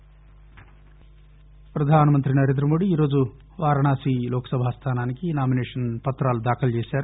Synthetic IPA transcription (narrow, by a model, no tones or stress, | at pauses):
pɾɐd̪ʱaːnɐmɐnt̪ɾinɐɾend̪ɾɐmo̞ːɽiːɾoːd͡ʒu | ʋaːɾɐɳaːsilɔːkɐ̥sɐbʱaːst̪ʰaːnaːnikinaːmineːʂɐnpɐt̪ɾaːlud̪aːkɐlt͡ʃeːsaːɾu